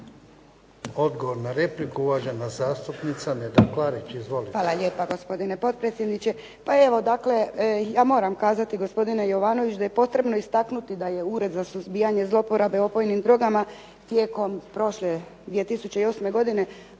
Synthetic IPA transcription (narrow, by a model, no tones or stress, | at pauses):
od̪ɡoʋoɾnaɾe̞plikauʋaʒanazaːst̪upnit̪saned̪aklaɾit͡ʃizʋoliʋaːlaʎe̞ːpaɡo̞spo̞d̪ine̞po̞t̪̚pɾet̪sjed̪nit͡ɕe̞ | pae̞ʋo̞d̪akle̞jaːmo̞ːɾamkaːzat̪iɡo̞spo̞d̪ine̞jo̞ʋaːno̞ʋit͡ʃd̪aje̞po̞t̪ɾe̞bno̞ist̪aknut̪id̪aje̞uɾe̞d̪zasuzbiːaɲe̞zlo̞po̞ɾabeo̞po̞jnimd̪ɾo̞ɡama | t̪je̞ːko̞mpɾo̞ʃle | d̪ʋie̞t̪isut͡ɕe̞io̞ːsme̞ɡo̞d̪ine̞